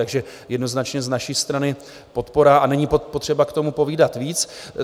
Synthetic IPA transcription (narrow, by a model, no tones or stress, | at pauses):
aɡʒɛjɛdno̞znat͡ʃɲɛznaʃiːst̪ɾanɪ | po̞t̪po̞ɾaːʔanɛɲippo̞t̪r̝̥ɛbakt̪o̞mupo̞viːdat̪viːt͡s